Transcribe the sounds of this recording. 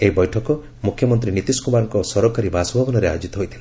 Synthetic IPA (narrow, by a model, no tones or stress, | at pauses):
eɦibɔjʈʰɔkɔ | mukʰjɔmɔnt̪ɾinit̪iskumaɾɔŋkɔsɔɾɔkaɾibasɔmbʱɔbɔnɔɾea̰jod͡ʒit̪ɔɦojt̪ʰile